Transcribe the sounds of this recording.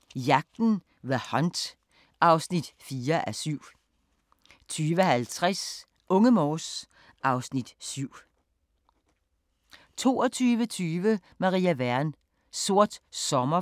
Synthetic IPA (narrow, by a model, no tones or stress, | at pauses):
jɑ̈ɡ̥̚d̥n̩ | ʋæhɒnd̥ | ʔɑ̈ʊsnid̥fiːɐʔæsyʊ̰ | t͡sʰyːʋəhælt͡sʰʁas | ʔɔ̽ŋəmɒːs | ʔɑ̈ʊsnid̥syʊ̰ | t͡sʰo̝̰ːɒt͡sʰyːʋət͡sʰyːʋə | mɑ̈ʁiːæʋæɐn | so̝ɐ̰d̥sɒ̽mɐ